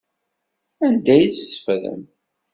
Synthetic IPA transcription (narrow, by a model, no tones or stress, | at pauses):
ænd̪æjt͡ssə̥fɾə̰n